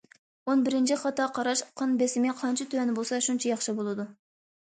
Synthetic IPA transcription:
onbɪɾɪnt͡ʃʰiχɑt̪ʰːɑqʰɑɾɑʃqʰɑnbesɪmɪqʰɑnt͡ʃʰit̪ʰøɛnɪbolˠsɑʃunt͡ʃʰɛjɑχʃibolˠɨd̪u

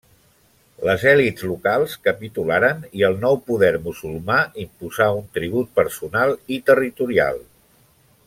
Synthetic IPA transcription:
ləzɛlidzlukalˠskəpit̪ulaɾəniəlˠnɔwpuðɛɾmuzulˠmaimpuzaunt̪ɾiβ̞ut̪̚pəɾsunalˠit̪ərit̪uɾia̰lˠ

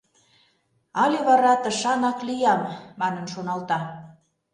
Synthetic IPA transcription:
ɑlʲeβɑɾɑt̪ə̆ʃɑnɑklijɑmːɑnə̆nʃonɑlt̪ɑ

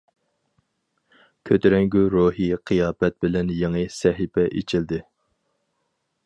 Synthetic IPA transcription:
kʲʰøt̪ɾɛŋɡʲyɾoɦiqʰɨjɑːbɛt̪̚bɪlɛnjeŋɨsɛɦɪpʰɛʔet͡ʃʰɪld̪ɪ

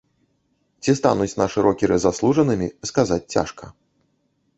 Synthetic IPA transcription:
t͡sʲist̪anut͡sʲnaʂɨɾʔɔkʲɛɾɨzaslˠuʐɐnɨmʲiskazat͡sʲt͡sʲa̰ʂkɐ

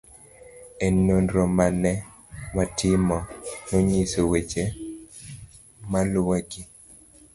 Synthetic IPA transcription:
enonɾɔmanɛ | matɪmɔnoɲisowet͡ʃe | malwaɡi

